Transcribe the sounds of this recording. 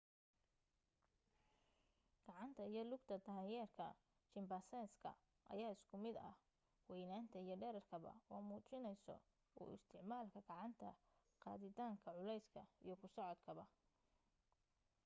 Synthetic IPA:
ɡ̥ɑʕɑnt̪ʰɐijɞlʊɡt̪ʰɐd̪aːjɛːrkʰɐ | t͡ʃɪmbɐsɛːnskʰɐ̰ | ʔɐ̰jaːɪskʰʊmɪd̪ɐ̰h | wɛjnaːnt̪ʰɐijɞɖɛːɾɐrkʰɐβɐ̰wɑ̰ːmuːt͡ʃɪnɛjsɔ̰ | ɔ̰ːɪ̰st̪ʰɪʕmaːlkʰɐɡɑʕɑnt̪ʰɐ | qɑ̰ːðɪt̪ʰaːŋkʰɐʕʊlɛjskʰɐijɞkʰʊsɔʕɔd̪kʰɐβɐ

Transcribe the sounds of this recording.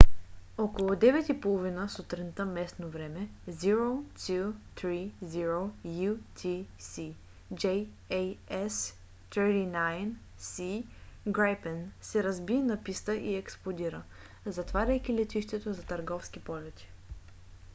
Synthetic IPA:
ɔkolˠod̪ɛvɛt̪ipolˠovinəsot̪ɾint̪əmɛsnovɾɛmɛziɾot̪ut̪ɾiziɾojut̪ʰisi | d͡ʒɛj | ejɛs | t̪ɾiɾinajn | siɡɾajpɛnsɛɾɐzbinɐpist̪əʔiɛksplˠod̪iɾə | zɐt̪vaɾʲəjk̟ʲilɛt̪iʃt̪ɛt̪ozɐt̪ɐɾɡɔfsk̟ipɔlɛt̪i̥

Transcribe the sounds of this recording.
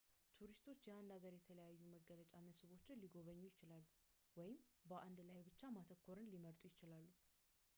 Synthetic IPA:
t̪ʰuɾist̪ʰo̞t͡ʃːjɛand̪aɡəɾjɛt̪ʰələjajːuməɡələt͡ʃʼaməsɨβo̞t͡ʃːɪnliɡo̞βəɲːujɪt͡ʃɪlalːu | wɔjɪmbəʔand̪lajbɨt͡ʃːamat̪ʰəkːoɾɨnliməɾt̪ʼujɪt͡ʃɪlalːu

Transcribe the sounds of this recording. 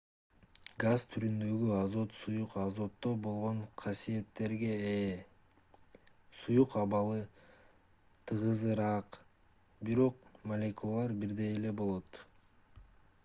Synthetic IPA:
ɡazt̪ʰyɾynd̪ø̞ɡyɑzo̞t̪sujuqɑzo̞t̪ːo̞bo̞lˠʁo̞ɴqʰɑsije̞t̪ːe̞ɾɡe̞eː | sujuqɑβɑlˠɯ | t̪ʰɯʁɯzɯɾɑq | biɾo̞qmɐlʲekulˠalˠɑɾbiɾd̪e̞jele̞bo̞lˠo̞t̪

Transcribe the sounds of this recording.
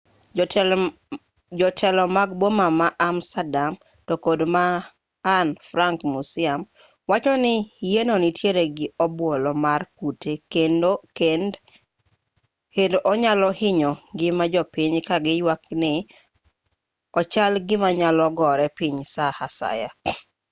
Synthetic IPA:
d͡ʒɔtʰɛlɔmaɡ̚bomamaʔamstadam | tokodmaː | nfɾaŋkmusɪam | wat͡ʃɔnɪjenonɪtʰjeɾeɡɪɔbwolɔmarkutekendokend | hendʔɔɲalɔhɪɲɔɡɪmad͡ʒɔpiɲkaɡɪjwaknɪ | ɔt͡ʃalɡɪmaɲalɔɡɔɾɛpiɲsahasa̰ja

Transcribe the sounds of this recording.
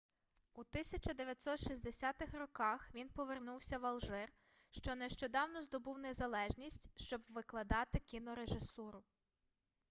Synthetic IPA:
ut̪ɪsʲɐt͡ʃɐd̪eʋʲjɐtʲsɔt̪ʃizʲd̪esʲat̪ɪxrɔkɑxʋʲinpɔʋernuwsʲɐʋɐlˠʒɪr | ʃt͡ʃɔneʃt͡ʃɔd̪ɑwnɔzd̪ɔbuwnezɐlˠɛʒnʲisʲtʲʃt͡ʃɔbʋɪklˠɐd̪ɑt̪ɪkʲinɔɾeʒɪsuɾʊ

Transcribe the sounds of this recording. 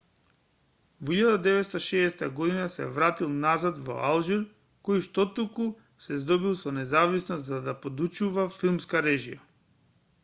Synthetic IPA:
voiʎad̪ad̪ɛvɛt̪st̪aʃɛːst̪aɡɔd̪inasɛ̰vɾat̪ilˠnazad̪vɔ̰alˠʒiɾ | kɔjʃt̪ɔt̪uku | sɛzd̪ɔbilˠsɔnɛzavisnɔst̪zad̪apod̪ut͡ʃuvafilˠmskaɾɛʒija

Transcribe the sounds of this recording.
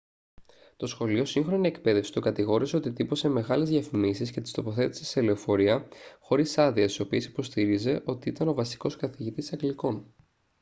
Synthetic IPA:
t̪o̞sxo̞lio̞siŋxɾo̞nie̞kpe̞ðe̞fsi̥t̪okɐt̪iɣo̞ɾise̞o̞t̪it̪ipo̞se̞me̞ɣɐlezðʝjɐfimisisce̞t̪i̥st̪o̞po̞θe̞t̪i̥si̥se̞leo̞fo̞ɾiɐxo̞ɾisɐðiɐst̪i̥so̞pie̞si̥po̞st̪iɾize̞ʔo̞t̪iit̪ɐno̞vɐsi̥ko̞skɐθiʝit̪isɐŋɡliko̞n

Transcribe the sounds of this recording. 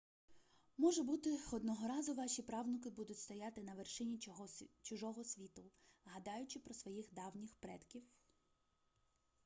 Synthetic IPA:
mɔʒɛbut̪ɪɔd̪nɔɦɔɾɑzʊʋɑʃʲipɾɑwnɔk̬ɪbud̪ʊtʲst̪ɔjɑt̪ɪnɐʋerʃɪnʲit͡ʃʊʒɔɦɔsʲʋʲit̪ʊɦɐd̪ɑjʊt͡ʃɪpɾɔsʋɔjixd̪ɑwnʲixpɾɛt̪kʲiw

